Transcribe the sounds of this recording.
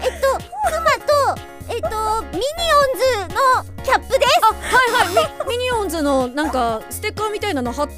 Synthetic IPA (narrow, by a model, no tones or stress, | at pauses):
et̪ːo̞kɯmat̪o | et̪ːomʲiɲ̟iõnd͡zɨno̞ | kʲapːɯ̟d̪e̞sahaiɦaimʲiɲ̟iõnzɨno̞nãŋkasɨ̥t̪e̞kːamʲit̪ainanoɦat̪